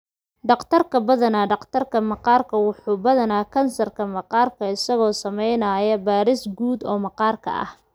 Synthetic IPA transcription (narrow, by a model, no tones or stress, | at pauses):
ɖɑqt̪ʰɐrkʰɐbɐðɐnaːɖɑqt̪ʰɐrkʰɐmɑqɑːrkʰɐwʊħuːbɐðɐnaːkʰɐnsɐrkʰɐmɑqɑːrkʰɐɪsɐɣɔːsɐmɛjnaːjɐbaːɾɪsɡuːd̪ɔːmɐqɑːrkʰɐ̰ʔɐ̰h